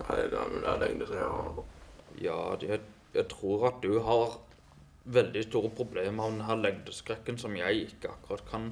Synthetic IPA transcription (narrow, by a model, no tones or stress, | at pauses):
æɡɑ̰md̪ælɛ̰ŋd̪əsɑ | jɑ̰ːæ | jæɪt̪ʰɾuːɾɑt̪̚d̪ʉɦɑɾ | ʋɛld̪ɪst̪uːɾəpʰɾʊbleːmɑʋd̪ɛnɦæːɾlɛŋd̪əskɾɛkːənsɔmjæɪɪkːəɑ̰kːʊɾɑt̪kʰɑn